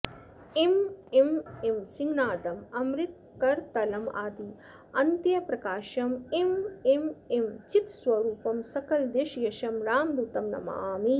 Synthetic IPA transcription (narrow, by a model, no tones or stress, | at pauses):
emememsiŋɡnaːd̪ɐmɐmɾit̪̚ | kɐɾt̪ɐlɐma̰ːd̪i | ɐnt̪jɐpɾɐkaːʃɐmemememt͡ʃit̪sʋɐɾuːpɐmsɐkɐld̪eːʃjɐʃɐmɾaːmd̪ut̪ɐmnɐ̰mɐ̰aːmi